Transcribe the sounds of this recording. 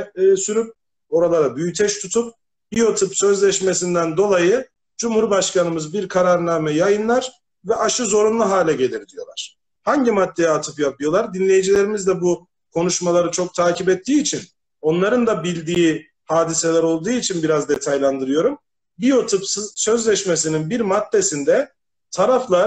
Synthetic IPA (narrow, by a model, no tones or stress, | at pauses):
syɾyp̚ | o̞ɾalˠaɾabyjyt̪ʰɛʃt̪ʰut̪ʰup̚ | bijo̞t̪ʰɯpsø̞zlʲɛʃme̞s̬ind̪ænd̪o̞lˠajɯ | d͡ʒumhuɾbaʃkanɯmɯzbiɾkʰaɾaɾnaːmɛjajɯnlˠaɾ | vɛʔaʃɯzo̞ɾunlˠuɦaːlʲɛɟe̞lʲiɾd̪ijo̞lˠaɾ̥ | haɲɟimad̪ːejat̪ʰɯfɯjapɯjo̞lˠaɾd̪inlʲe̞jid͡ʒilʲe̞ɾimizd̪ɛbu | kʰo̞nuʃmalˠaɾɯt͡ʃʰo̞k̚t̪ʰaːcipɛt̪ʰːiːt͡ʃʰin | o̞nlˠaɾɯnd̪abilʲd̪iː | haːd̪ise̞lʲæɾo̞lˠd̪uːit͡ʃʰinbiɾazd̪e̞t̪ʰajlʲˠand̪ɯɾɯjo̞ɾum | bijo̞t̪ʰɯpssø̞zlʲɛʃmesininbiɾmat̪ːe̞sind̪ɛ | t̪ʰaɾaflˠa